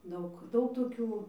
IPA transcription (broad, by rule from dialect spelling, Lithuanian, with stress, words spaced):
ˈdɐʊk ˈdɐʊk toːˈkʲuː